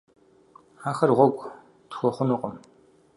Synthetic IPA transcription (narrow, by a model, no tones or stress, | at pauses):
aːxɐrʁʷɔɡʷʼ | txʷɔχʷʊnʊqʼəm